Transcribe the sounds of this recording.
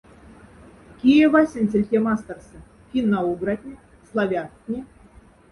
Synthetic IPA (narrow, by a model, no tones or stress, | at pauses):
kʲijevasʲĕnʲt͡sʲĕlʲtʲemast̪ərsə̆ | kʲinːauɡrat̪ʲnʲi | slˠavʲat̪ʲnʲi